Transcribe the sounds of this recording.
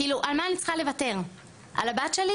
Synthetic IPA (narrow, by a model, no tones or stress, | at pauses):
iːluʔalmaːnit͡sχale̞vate̞ʁ | ʔa̰labatʃeli